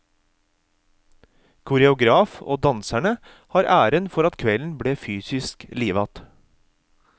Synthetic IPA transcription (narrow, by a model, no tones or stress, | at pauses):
kʰʊɾɛʊɡɾɑːfo̰ːd̪ɑnsæɳə | hɑːɾʔæːɾənfɔɾɑt̪kʰʋɛln̩bɽeːfyːsɪskliːʋɑt̪